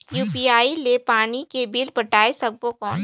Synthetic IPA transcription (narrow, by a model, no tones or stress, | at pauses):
juːpiaːilepaːnikebilpɐʈaːesɐɡ̚bokɔːn